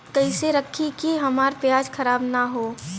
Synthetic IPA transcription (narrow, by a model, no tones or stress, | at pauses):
kəɪseɾɐkʰːikiɦɐmaːɾpjaːd͡ʒkʰɐɾaːbnaɦoː